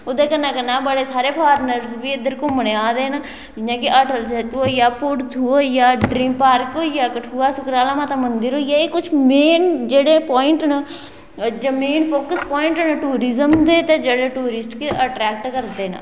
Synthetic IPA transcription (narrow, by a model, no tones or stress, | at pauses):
ʊd̪eːkənːãːkənãːbəɽeːsaːɾeːpʰaːɾnəɾzbiːɪd̪əɾkoːməneaːd̪eːnə | d͡ʒɪnãːkɪʔəʈəls̬et̪uojaːpʊɽt̪ʰuːojaːɖɾĩːmpaːɾkoːjaːkəʈʰuːaːsʊkɾaːlaːmaːt̪aːmənd̪ɪɾoːjaːekːʊt͡ʃʰmeːnd͡ʒeːɽeːpɔːɪɳʈnə | d͡ʒəmeːnpʰoːkəspɔːɪɳʈnəʈuːɾɪzəmd̪eːt̪ed͡ʒeːɽeːʈuːɾɪsʈkeʔəʈɾɛːk̚ʈkəɾd̪eːnə̰